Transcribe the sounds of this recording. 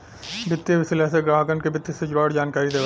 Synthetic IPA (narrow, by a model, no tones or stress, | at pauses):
bʱɪt̪ːjeʋɪsɪleseɡɾaːɦəkə̃nɖkebɪt̪ːjesed͡ʒʊɾaːɽd͡ʒaːnkaːɾid̪eː